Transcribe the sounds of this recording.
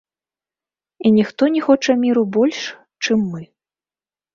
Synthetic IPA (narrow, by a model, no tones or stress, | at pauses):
inʲixt̪ɔnʲixɔt͡ʂɐmʲiɾubɔlʲʂ | t͡ʂɨmːɨ